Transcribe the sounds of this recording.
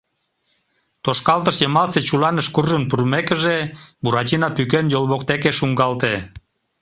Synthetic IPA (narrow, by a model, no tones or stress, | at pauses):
t̪oʃkɑlt̪əʃjəmɑlset͡ɕulɑnəʃkurʒənpurmekəʒebuɾɑt͡ɕinɑpykenjolˠβokt̪ekeʃuŋɡɑlt̪e